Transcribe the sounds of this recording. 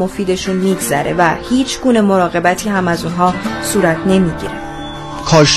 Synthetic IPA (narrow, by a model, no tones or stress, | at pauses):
o̞fiːd̪e̞ʃunmiːɡzæ̰ɾevæhiːt͡ʃʰɡuːne̞mo̞ɾɒːɣe̞bæt̪ʰiːhæmæzuːnɦɒːsuːɾæt̪ʰne̞miːɟḭɾḛ | kʰɒːʃ